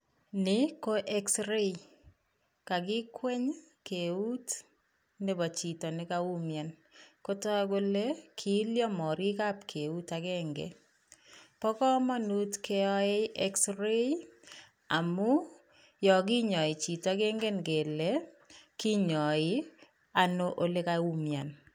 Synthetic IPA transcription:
nɪ˦ko˦ʔe˦ksre˦j | ka˨k̬i˦kwe˦ɲke˨u˦t | ne˦bɔ˨t͡ʃi˨tɔ˨nɪ˦kau˦mja˨nko˦tɔ˦k̬o˦le˦kʰi˦ljɔ˦mɔ˨ɾi˦ka˦pkʰe˨u˦takɛŋɡḛ | pɔ˦kɔ˦ma˦nu˦tke˦ɔ˦e˦ɛ˦ksɾe˦ | a˨mʊ˦ | jɔ˨k̬i˦ɲɔ˨ɪ˨t͡ʃi˨ta˨˦ɡe˦ŋɡe˦nɡe˨le˦ | ki˦ɲɔ˨ɪ˦ | a˨noʔo˦le˦ka˨u˦mja˨n

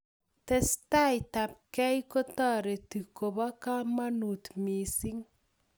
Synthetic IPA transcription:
te˨sta˦jta˨p̚kɛ˦jko˦ta˦ɾe˨ti˨ko˨βa˦ka˦ma˦nu˨t̪mi˨si˦ŋ

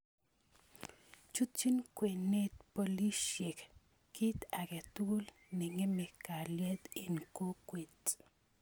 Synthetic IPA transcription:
t͡ʃu˦tt͡ʃi˦nkwe˨ne˦t̪̚po˨li˦ʃe˨k | kːi˦t̪a˨kɛ˨t̪u˦l | nɪ˨ŋe˦me˨ka˨ljɛ˦t̪ɪ˨nko˦kwe˨t

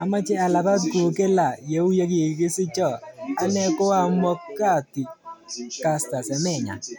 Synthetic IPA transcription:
a˨ma˦t͡ʃe˦a˨la˨pa˦tku˨ke˦la˨je˨˦u˦je˦k̬e˨kɪ˦sɪ˦t͡ʃɔ˨a˦nɛ˦kʊ˦a˦mwɔ˦kːa˦˨ti˨ | ka˨sta˨sɛ˨mɛ˦˨ɲa̰˨

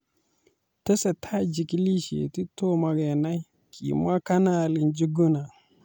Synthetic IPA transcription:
te˦se˨tʰa˦d͡ʒi˨ki˦li˦ʃḭ˨ti˦to˦ma˨ɡe˨na˦i˦ | kʰḭ˨ma˦ka˦na˦˨li˨nd͡ʒi˦ɡu˦na˨

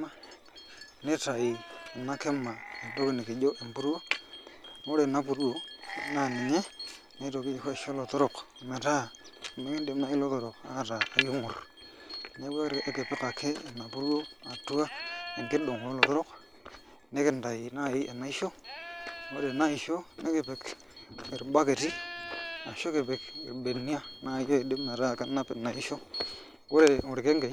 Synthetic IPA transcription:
ma˦˨ | ne˦ta˨iː˨na˦ke˦ma˨e˨to˦kɪ˦ne˨kɪ˨d͡ʒo˦e˨mpu˦ɾu˦o˦˨ | mo˦ɾe˨na˦pu˨ɾu˦wo˦˨˦na˨nɪ˨ɲe˦ | ne˦to˨ki˦˨ka˦˨ʃo˦lo˨to˦ɾʊ˨kme˨ta˦˨me˦ki˦de˨ma˦i˦lo˦to˨ɾʊ˨ka˦a˦taː˨ju˦ŋʊ˨r | ne˨˦ba˦ɾʔe˦ke˨pɪ˦ka˨kʰeː˦˨na˨pu˦ɾo˦a˨tu˦a˦e˨ŋke˦ɗo˨ŋ˨o˦lo˨to˦ɾo˦k | ne˦ke˦n˨da˨ji˨na˦˨ji˦ʔḛ˨nːa˨i˦ʃo˦˨ | wo˦ɾe˨na˦i˨ʃo˦ne˦ke˨pe˨k | i˨ɾɓa˦ke˨ti˦ | a˨ʃo˦ke˨pe˨kḭ˨ɾɓe˨ni˦a˦na˦˨˦jo˦˨de˦me˨ɾa˦˨ka˦na˦pe˨na˨ʔi˦ʃo˦ | wo˦ɾe˨ŋu˨ɾke˦ŋɡe˨

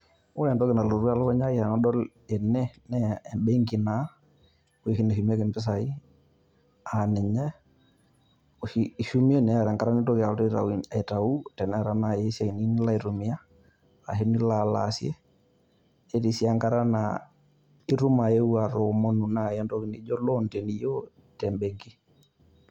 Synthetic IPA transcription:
o˦jɛ˨ndɔ˦kɪ˨na˨lo˨ɾu˦a˦lɔ˦kɛ˦ɲa˦i˦a˨na˦ɗɔ˦l | e˨nɛ˦nɛː˦˨mbe˦ŋɡi˨na˨˦ | we˦˨hi˦ne˨ʃu˨m˦a˦ke˨mbɪ˦s̬a˨i˦ | a˨nɪ˨ɲɛ˦ | o˨ʃii˨ʃu˦mi˦e˦˨nɛ˨a˨ɾa˨ŋɡa˦ɾa˦ni˦to˦kɪ˨a˨lte˦ɾa̰˨i˨e˨ta˨u˦tɛ˨nɛ˦˨ɾana˨jɛ˦sa˨i˨nini˦la˦i˨ɾu˨mi˦a˦ | a̰˨ɦi˦ni˦la˨la̰sjɛ˦ | e˦ɾisi˦aŋɡa˦ɾa˦na̰ | i˦ɾu˦ma˨je˦ua˨ɾɔmɔ˦nu˨na˨jɛ˦ndɔ˦ki˨ni˦d͡ʒɔ˦lɔntɛ˨ni˦jɔ | tɛmbeŋɡi˦

